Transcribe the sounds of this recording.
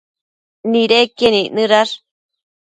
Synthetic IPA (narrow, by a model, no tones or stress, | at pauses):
niɾekeninɨɾaɾ